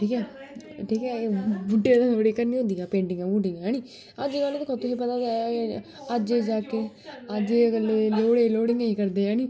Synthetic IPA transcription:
ʈʰiːkɛːʈʰiːkɛːbʊɖeːd̪aːəɽiːkəɾnĩːɦõnd̪iːaːpẽːɳɖɪŋɡãːbʊɖɪ̃ŋɡãːniː | əd͡ʒenaːlod̪ɪkʰɔt̪ʊsep̬ət̪aːd̪ | əd͡ʒeːd͡ʒaːkeː | əd͡ʒeːkəlːeːloːɽeːloːɽɪŋɡəiːkəɾd̪eːjãːniː

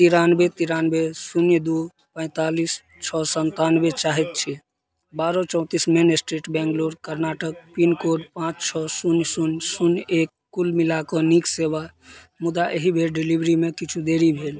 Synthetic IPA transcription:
t̪iɾanbet̪iɾanbesunjd̪u | pə̃ɪ̃t̪alis | t͡ʃʰɔsənt̪anbet͡ʃaɦɛt̪̚t͡ʃʰi | baɾɔt͡ʃɔ̃ʊ̃t̪ismenesʈɾiʈbɛ̃ŋɡloɾkəɾnaʈək̚pinkoɖpãt͡ʃt͡ʃʰɔsunjsunsunjekːulmilakɔnikseba | mud̪aʔeɦibʱelɖilibɾimekit͡ʃʰud̪eɾibʱel

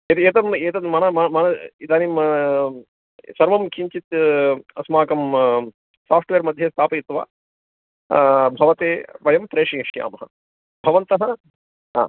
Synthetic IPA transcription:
et̪eːt̪ɐmeːt̪ɐmɐnɐmɐmɐnɐid̪aːnim | sɐɾʋɐmkʰiɲt͡ʃit̪ɐsmaːkɐm | saːpʰʈʋeːɾmɐd̪ʱjɐst̪ʰaːpɐjit̪ʋa̰ː | bʱɐʋɐt̪eːʋɐjɐmpɾeːʂiʂja̰ːmɐɦɐ̰ | bʱɐʋɐnt̪ɐɦɐ | ɦa̰ː

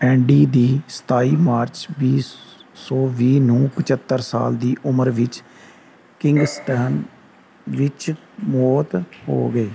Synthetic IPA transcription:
ɛ̃ːɳɖiːd̪iːsə̥t̪aːiːmaːɾt͡ʃbiːsɔːʋiːnũːpət͡ʃət̪ːəɾsa̰ːld̪iːʔʊməɾʋɪt͡ʃ | kɪ̃ŋɡsʈɛːn | ʋɪt͡ʃ | mɔːt̪ho̰ːɡəeː

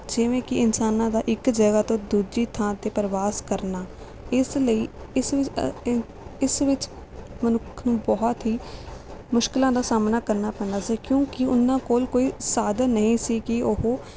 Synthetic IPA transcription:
d͡ʒɪʋẽːkɪɪnsaːnãːd̪aːʔɪkd͡ʒəɡaːt̪õːd̪uːd͡ʒiːt̪ʰãːt̪eːpəɾʋaːskəɾnaː | ɪsləiːɪsʋɪt͡ʃ | ɪsʋɪt͡ʃ | mənʊkʰnũːbɔːt̪ɦiː | mʊʃkɪlãːd̪aːsaːmnaːkəɾnaːpɛ̃ːnd̪aːsiːkjõːkɪʊnːãːkoːlkoːiːsaːd̪ənəɦĩːsiːkɪʊɦoː

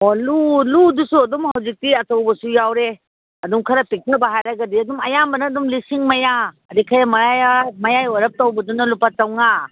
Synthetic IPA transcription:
oluludusuɐdumhɐwzik̚tiɐtowbɐsujawɾe | ɐdumkʰɐɾɐpik̚tɐbaɦajɾɐɡɐdiɐdumɐjambɐnɐːdumlisiŋmɐjaː | dikʰajɐmɐɾajmɐjajɔɾɐp̚towbɐdunɐlupat͡ʃɐwŋa

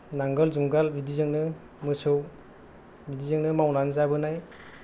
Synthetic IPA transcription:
naŋɡəlzumɡalbidizɯŋnɯ | mɯsɯw | bidizeŋnɯmawnanzabɯnaj

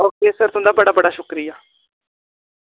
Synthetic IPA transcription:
ɔːkeːsəɾt̪ʊ̃nd̪aːbəɽaːbəɽaːʃʊkɾijaː

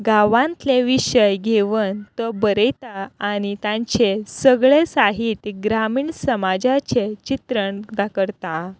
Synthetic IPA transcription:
ɡaʋãnt̪leʋiɕəjɡʱeʋənt̪əbəɾəjt̪aːñit̪ãɲt͡ɕesəɡɭesaɦit̪ɡɾamiːɳsəmad͡ʑat͡ɕet͡ɕit̪ɾəɳd̪akəɾt̪a

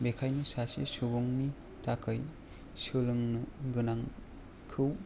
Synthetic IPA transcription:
bekʰajnisasḛsubɔŋni | takʰaj | sɯlɯŋnɯɡɯnaŋ | kʰɯw

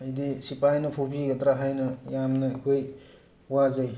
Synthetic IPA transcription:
ɐjdisipajnɐpʰopʰiɡɐtɾaɦajnɐjamnɐikʰoj | wazaj

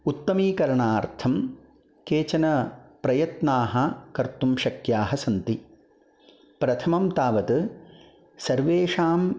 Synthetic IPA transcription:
ut̪ːɐmiːkɐɾɐɳaːɾt̪ʰɐm | keːt͡ʃɐnɐpɾɐjɐt̪naːɦɐkɐɾt̪umʃɐkjaːɦɐsɐnt̪i | pɾɐt̪ʰɐmɐmt̪aːʋɐt̪ɨ | sɐɾʋeːʂaːm

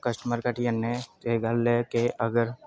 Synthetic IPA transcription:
kəsʈəməɾkaʈijənːeeɡallekeʔəɡəɾ

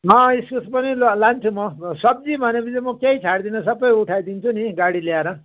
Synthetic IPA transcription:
ɦʌ̃iskusʰpʌnillant͡sʰumʌsʌb̚d͡zibʱʌnepʰid͡zimʌkejt͡sʰaɽd̪inʌsʌbʌjuʈʰajd̪int͡sʰuniɡaɽiljaɾʌ

